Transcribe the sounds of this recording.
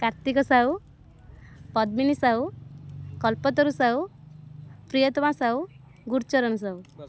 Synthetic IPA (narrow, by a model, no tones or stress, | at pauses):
kaɾt̪ikɔsaw | pɔd̪̚minisaw | kɔlpɔt̪ɔɾusaw | pɾijɔt̪ɔmãsaw | ɡuɾt͡ʃɔɾɔnus̬aw